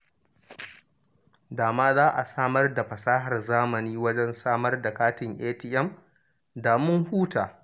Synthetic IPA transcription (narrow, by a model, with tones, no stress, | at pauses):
daː˨maː˦zaː˦ʔa˨saː˦mɐ˦rda˨ɸɐ˨saː˦ɦɐ˨rzaː˦mɐ˨niː˦wɐ˦d͡ʒɛ˦nsaː˦mɐ˦rda˨kaː˦tɪ˨ŋʔeː˦ti˨ʔɛ˦m | daː˨mʊ˦ŋhuː˦taː˨